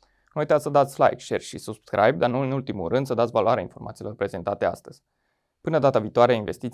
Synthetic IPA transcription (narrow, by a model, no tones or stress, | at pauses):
nuujt̪at̪ssəd̪at̪sʲfla̰jkʃerʲʃisubskɾʔa̰jb̚d̪anuɨnult̪imṵrɨnd̪səd̪at̪sʲvaloaɾea̰info̞̰rmʔat̪ilo̞rpɾe̞ze̞nt̪at̪e̞a̰st̪əz̥ʲ | pɨnəd̪at̪aviːt̪oaɾeainve̞st̪it̪